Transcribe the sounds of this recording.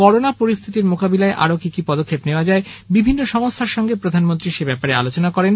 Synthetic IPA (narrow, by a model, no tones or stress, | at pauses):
kɔɾonapoɾist̪ʰit̪iɾmokabilaeʔa̰ɾokikipɔd̪okʰːepneoad͡ʑaebibʱinːoʃɔmost̪ʰaɾʃɔŋɡepɾod̪ʱanmont̪ɾiʃebɛpaɾea̰lot͡ɕonakɔɾen